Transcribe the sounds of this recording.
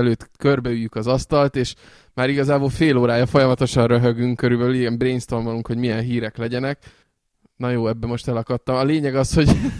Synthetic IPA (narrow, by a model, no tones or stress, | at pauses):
løːt̪kørbɛyjːykɒzɒst̪ɒlt̪eːʃ | maːɾiɡɒzaːbolfeːloːɾaːjɒfo̞jɒmɒt̪o̞ʃɒnrøɦøɡyŋkːøɾybɛiɡɛmbreːnst̪onvɒluŋkhoɟmijɛnɦiːɾɛklɛɟɛnɛk | nɒjoːɛbːɛmo̞ʃt̪ɛlɒkɒt̪ːɒmɒleːɲɛɡɒsho̞ɟ